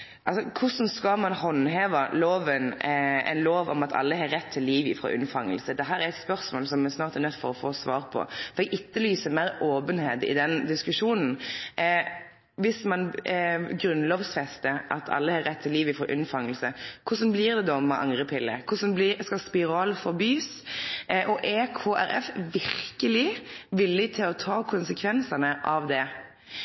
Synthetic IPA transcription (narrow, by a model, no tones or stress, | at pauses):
ʔɑlsɔkʰʊsn̩skɑmɑnhɔnɦeːʋɑloːʋənɛ̰ɪnloːʋɔ̰mɑt̪ʰɑ̰lːəhɑɾɛt̪ʰːɪlːiːʋɪfɾo̰ːʔʉ̰nfɑŋːə̰lsəd̪ɛɦæːɾæɾɛt̪spœɾsmoːlsɔmɛsnɑːʁt̪æɾnœt̪ːfɔɾɔfoːsʋɑːɾpʰɔ̰fɔɾɛɡɪt̪ːəlyːsəɾmæɾoːbənheːd̪ɪ̰d̪ɛnd̪ɪskʉʂuːnn̩ | ʋɪsmɑn | ɡɾʉnloːʋsfɛst̪əʔɑ̰t̪ʰɑ̰lːəhɑːɾɛt̪ʰːɪliːʋɪfɔɾʔʉ̰nfɑŋːəlsəkʰʊsɔnblɪːɾd̪ɛd̪ɔmɛʔɑ̰ŋʁəpʰɪlːə̰kʰʊsɔnblɪskɑspɪɾɑːlfɔɾbyːs | ʔɔʔekʰoːʔæ̰ɾɛ̰fʋɪɾkəlɪʋɪlːɪt̪ʰɪlɔt̪ʰɑːkʰʊnsəkʰʋɛnsɑnəʔɑʋd̪ɛ